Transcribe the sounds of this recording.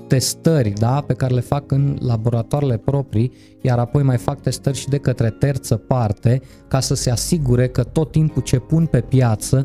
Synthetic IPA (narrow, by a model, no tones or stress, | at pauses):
t̪e̞st̪ərʲd̪ape̞kaɾe̞le̞fakɨnlabo̞ɾat̪oaɾele̞pɾo̞pɾi | jaɾapo̞jmajfak̚t̪e̞st̪ərʲʃid̪e̞kət̪ɾe̞t̪ert̪səpart̪e̞ | kasəse̞asiɡuɾe̞kət̪o̞t̪ːimput͡ʃe̞punpe̞pjat̪sə